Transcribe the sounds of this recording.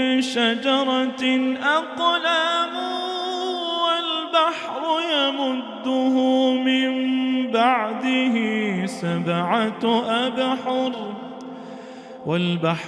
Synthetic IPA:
ʃad͡ʒɑɾˤɑʔaqlam | walbaħɾʊjamʊd̪ːʊɦʊmɪmbaʕd̪ɪɦɪsabʕat̪ʔabħʊɾ | walbaħ

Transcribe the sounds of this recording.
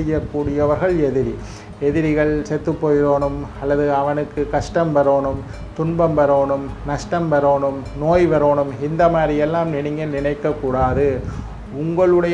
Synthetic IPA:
ɪjɐkːuːɽɪjɐʋɐɾɣɐɭɛðɪɾi | ɛðɪɾɪɣɐɭsɛt̪ːɯpːoːjɪɾoːɳɯmɐlːɐðɯɐʋɐnɯkːɯkɐʂʈɐmʋɐɾoːɳɯm | t̪ʊɳbɐmʋɐɾoːɳɯmnɐʂʈɐmʋɐɾoːɳɯmnoːjʋɐɾoːɳɯmɪnd̪ɐmaːɾɪjɛlːaːmnɪɳɪŋɡɐnɪɳɐɪkːɐkːuːɽaːðɯ | ʊŋɡɐɭɯɽɐj

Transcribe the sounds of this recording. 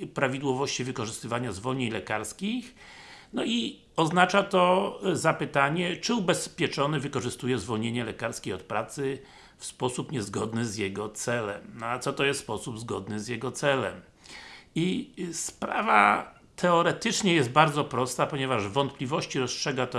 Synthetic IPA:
pɾavʲid̪wɔvɔɕt͡ɕivɘkɔʐɘst̪ɘvaɲazvɔlɲeɲlɛkaɾskʲix | nɔi | ɔznat͡ʂat̪ɔzapɘt̪aɲɛt͡ʂɘubɛspʲjɛt͡ʂɔnɘvɘkɔʐɘst̪ujɛzvɔlɲeɲɛlɛkaɾskʲejɔt̪̚pɾat̪sɘ | fspɔsupɲɛzɡɔd̪nɘzjɛɡɔt̪sɛlɛmnɔat̪sɔt̪ɔjɛst̪spɔsubzɡɔd̪nɘzʲjɛɡɔt̪sɛlɛ̰m | ispɾa̰va̰ | t̪ʰɛɔɾɛt̪ɘt͡ʂɲɛjɛsd̪t̪̚baɾd̪zɔpɾɔst̪apɔɲɛvaʐvɔnt̪̚plʲivɔɕt͡ɕiɾɔstʂɛɡat̪ɔ

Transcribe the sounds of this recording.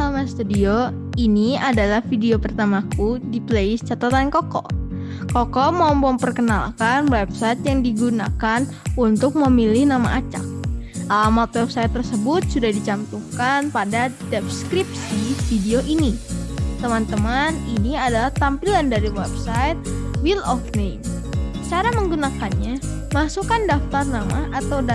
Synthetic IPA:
amast̪udio | iniadalahfideopərt̪amakudipleɪst͡ʃat̪at̪ankɔkɔ̰ | kɔkɔmambɔmpərkənalkanwɛp̚sajt̪jaŋdiɡuna̰kan | unt̪ʊk̚məmilɪhnama̰ʔat͡ʃa̰k̚əmɔt̪̚wɛp̚sajt̪ːərsəbʊt̪̚sudahdit͡ʃamt̪ukanpadadɛp̚skɾip̚sifideoʔinit̪əmant̪əmaniniadalaht̪ampilandaɾiwɛp̚sajt̪̚wilɔfnem | t͡ʃaɾaməŋɡunakanɲa | masukandaft̪arnamaʔat̪awd

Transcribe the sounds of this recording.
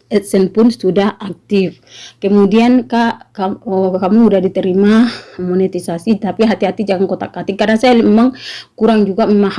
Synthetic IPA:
ɛt̪̚sɛnpʊnstudahak̚t̪if | kɛmudiankaʔkakamuːdahdit̪ɛɾimamɔnɛt̪isasit̪apiɦat̪iɦat̪id͡ʒaŋaŋkɔt̪akat̪ikːarnasajalɛmaŋkuɾaŋd͡ʒuɡamɛmah

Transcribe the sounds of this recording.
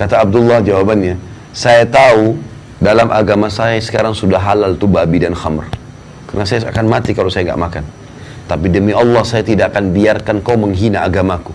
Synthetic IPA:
kat̪aːb̚dʊlːɑhd͡ʒawabanɲa | sajat̪au | dalamʔa̰ɡamasajasə̥kaɾaŋsudaɦalalt̪ubabidanxamr | karnasajaakanmat̪ikalosajaŋɡa̰ʔmakan | t̪apidəmiɑlːɑhsajat̪idaʔakanbiarkankawməŋɦinaːɡamaku

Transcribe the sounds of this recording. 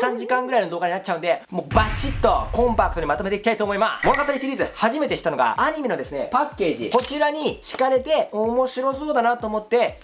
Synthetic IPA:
sãɲ̟d͡ʑikãŋɡɯ̟ɾaino̞d̪o̞ːɡaɲinat͡ɕːt͡ɕaɯ̟nd̪e̞moːbaɕːit̪ːo̞̰kõ̞mpakɯ̟t̪o̞ɲ̟imat̪o̞me̞t̪e̞ikʲit̪ait̪oːmo̞imasmo̞nokat̪aɾiɕiɾʲiːzɨhaʑime̞t̪eɕi̥t̪ano̞ɡa̰aɲ̟imʲino̞d̪e̞sɨne̞pakːe̞ːʑḭko̞t͡ɕiɾaɲ̟iɕi̥kaɾe̞t̪e̞omo̞ɕiɾo̞so̞ːd̪anat̪oːmo̞t̪ːe̞

